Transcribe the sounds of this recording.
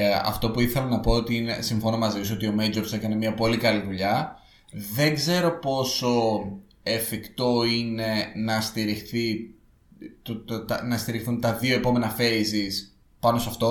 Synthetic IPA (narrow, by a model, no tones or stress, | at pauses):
ɐ̰ft̪o̞puiθe̞lɐnɐpo̞ot̪iinesiɱfo̞nomɐziso̞t̪io̞mejd͡ʒoɾse̞kɐne̞miɐpo̞likɐliðuʎɐ | ðe̞ŋɡze̞ɾo̞po̞so̞ | efikt̪o̞ine̞nɐst̪iɾixθi | t̪ot̪t̪ɐnɐst̪iɾixθunt̪ɐðio̞e̞po̞me̞nɐfe̞izis | pɐnost̪oɐft̪o̞